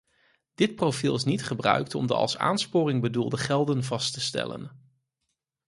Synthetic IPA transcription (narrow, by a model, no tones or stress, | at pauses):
d̥ɪt̚profilˠɪs̬nitχəbrœ̰ɥktɔ̰mdəɑ̰lˠsa̰ːnspʊːrɪŋbədulˠdəχɛlˠdənvɑstəstɛ̰lə̰n